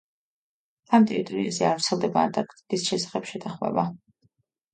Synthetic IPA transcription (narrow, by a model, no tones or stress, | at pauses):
amt̪ʼɛit̪ʼɾizɛaɾv̥t̪sʰɛlˠd̪ɛbaːnt̪ʼaɾkʰʼt̪ʼik̪ʼisʃɛsḁχɛpʃɛt̪ʰaχmɛ̰ba